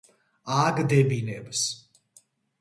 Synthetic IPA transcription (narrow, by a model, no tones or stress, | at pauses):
aɡd̪ɛbinɛbs